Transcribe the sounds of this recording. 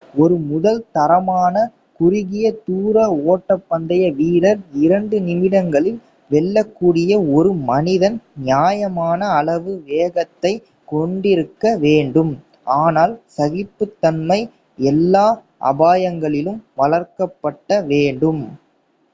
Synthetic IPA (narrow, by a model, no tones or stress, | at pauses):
ɔɾɯmʊðɐlt̪ɐɾɐmaːnɐ | kʊɾɪɣɪjɐt̪uːɾɐoːʈːɐpːɐnd̪ɐjɐʋiːɽɐɾɪɾɐɳɖɯnɪmɪɽɐŋɡɐɭɪl | ʋɛɭːɐkːuːɽɪjɐɔɾɯmɐnɪðɐnnjaːjɐmaːnɐːɭɐʋɯʋeːɣɐt̪ːɐɪ | kɔɳɖɪɾɯkːɐʋeːɳɖɯm | aːnaːlsɐɣɪpːɯt̪ːɐnmɐɪ | ɛlːaː | ʔɐ̰baːjɐŋɡɐɭɪlɯmʋɐɭɐɾkɐpːɐʈːɐʋeːɳɖɯm